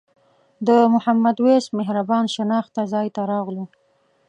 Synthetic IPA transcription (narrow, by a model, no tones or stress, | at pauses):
d̪əmʊhamːad̪wesmɪɦɾabɑnʃɪnɑxt̪azɑjt̪aɾɑɣlu